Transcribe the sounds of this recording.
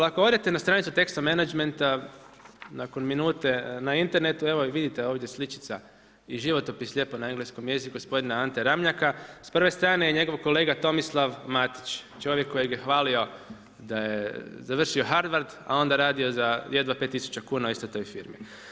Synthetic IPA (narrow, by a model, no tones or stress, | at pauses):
akood̪et̪enast̪ɾaːnit̪sut̪e̞kst̪omenad͡ʒment̪a | nako̞nminuːt̪e̞naint̪e̞ɾne̞t̪ue̞ʋo̞ʋid̪it̪eoːʋd̪je̞slit͡ʃi̥t̪sa | iʒiʋo̞t̪opislʎʲe̞ponaeŋɡlesko̞mjezikuɡospo̞d̪inaant̪eɾamɲakaspr̩ʋe̞st̪ɾaːnejeɲe̞ɡo̞ʋko̞leːɡat̪o̞mislˠaʋmat̪i̥t͡ʃt͡ʃo̞ʋje̞kːo̞jeɡjexʋaːlio̞ | d̪ajḛzaʋr̩ʃio̞xaɾd̪ʋaɾd̪a̰o̞nd̪aɾaːd̪iozajed̪ʋapet̪ːisu̥t͡ɕakuːnaoist̪o̞t̪o̞ːjfiːɾmḭ